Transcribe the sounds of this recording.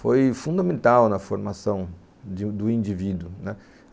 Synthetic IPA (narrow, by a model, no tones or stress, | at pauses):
fojfũd̪ɐmẽnt̪awnɐfoɾmasɐ̃w̃ | d̪ɪd̪ʊĩnd͡ʒivid̪ʊnɛ